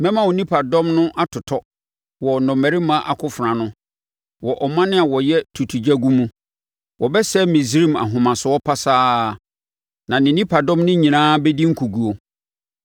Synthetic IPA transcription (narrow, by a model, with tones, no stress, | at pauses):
mɛ̃˦mã˦wo˨nĩ˦pʰa˨dɔ̃˦mnʊ̃˦ʔa˦tʰʊ˨tʰɔ˦ | wɔ˨nɔ̃˨mæ˨ɾi˦mã˦ʔa˨kʰʊ˦fɾã˨nʊ̃˦ | wɔ˨ʔɔ˨mã˦nɪ̃˦a˨wɔ˨jɛ˦tʰu˨tʰu˨d͡ʑɛ˦ɡũ˦mũ˦ | wʔɔ˨bɛ˦sɛ˦mĩ˨zɾĩ˦ma̰˨ɦʊ̃˨mã˨sʊ˨ɔ˦pʰa˦saː˦˨ | nã˨nɪ̃˨nĩ˦pʰa˨dɔ̃˦mnɪ̃˦ɲĩ˨nãː˦bɛ˦di˦ŋ̩˦kʰu˨ɡu˨o˨